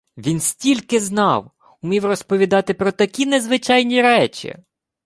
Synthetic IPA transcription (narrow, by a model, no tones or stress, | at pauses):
ʋʲinsʲtʲilʲkɪznɑw | ʊmʲiwrɔspɔʋʲid̪ɑt̪ɪpɾɔt̪ɐkʲinezʋɪt͡ʃɑjnʲiɾɛt͡ʃʲḭ